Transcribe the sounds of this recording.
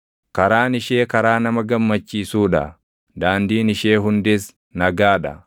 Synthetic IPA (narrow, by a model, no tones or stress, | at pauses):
kɐɾaːnɪʃe̞ːkɐɾaːnɐmɐɡɐmːɐt͡ʃːiːsuːᶑɐ̰ | d̪aːnd̪iːnɪʃe̞ːɦʊnd̪ɪs | nɐɡaːᶑɐ̰